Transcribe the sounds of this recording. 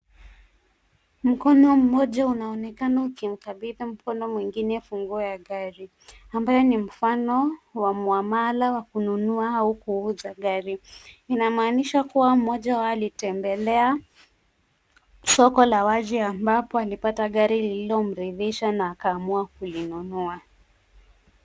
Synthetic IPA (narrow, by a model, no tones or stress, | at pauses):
m̩kɔnɔm̩mɔʄaunaɔnɛkanaukim̩kaɓiðim̩kɔnɔmwiŋɡinɛfuŋɡuɔjaɠaɾi | ambajɔnim̩fanɔwamwamalawakununuaaukuuzaɠaɾiinamaːniʃakuwam̩mɔʄawaːlitɛmbɛlɛa | sɔkɔlawad͡ʒiambapɔalipataɠaɾilililɔm̩ɾiðiʃanaːkaːmuakulinunua